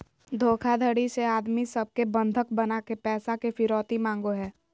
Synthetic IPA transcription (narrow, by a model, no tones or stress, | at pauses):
d̪ʱoːkʰad̪ʱəɽiseaːd̪misəb̚kebə̃nd̪ʱəkbənakepɛːsakefʰɪɾɔːt̪imãːŋɡoɦɛː